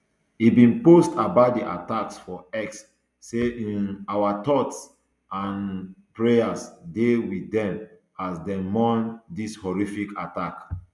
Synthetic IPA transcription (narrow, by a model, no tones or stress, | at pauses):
ibĩnpostabadiʔa̰taksfɔɛksː | eĩnawatɔts | ãnpɹeasdewiɛ̃m | asdɛmɔ̃ndishɔɹifikatak